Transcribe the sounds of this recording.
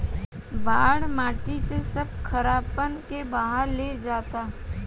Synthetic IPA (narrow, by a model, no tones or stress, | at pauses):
baːɽmaːʈisesɐb̚kʰɐɾaːpənkebɐɦəɾled͡ʒaːt̪aː